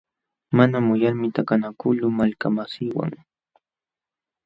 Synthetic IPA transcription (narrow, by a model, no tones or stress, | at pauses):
manamʊjaɾmɪt̪akanakʊlʊmalkamasɪwa̰ŋ